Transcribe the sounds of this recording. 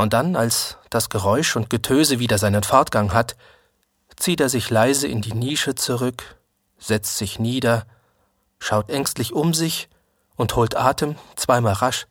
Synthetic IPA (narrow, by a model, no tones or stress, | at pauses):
ʔʊnt̚d̥analsd̥asɡ̥əʁɔʏʃʊnt̚ɡ̥ətʰøːzəviːdɐzaɪnənfɔɐtɡ̥aŋɦat | t͡siːteːɐzɪçlaɪzəʔɪ̰ndiːniːʃət͡suʁʏk | z̥ɛt͡stz̥ɪçniːdɐ | ʃaʊtʔɛŋstlɪçʊmzɪç | ʔʊnthoːltʔaːtʰəmt͡sv̥aɪmaːlʁaʃ